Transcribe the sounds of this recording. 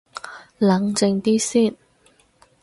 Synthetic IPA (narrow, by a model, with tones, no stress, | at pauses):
lɐ˨˥ŋt͡sɪ˧ŋt̪iː˥siː˥˩n